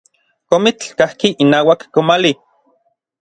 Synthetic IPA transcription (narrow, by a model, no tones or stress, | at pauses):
komit͡ɬkahkiʔinaːwakːomali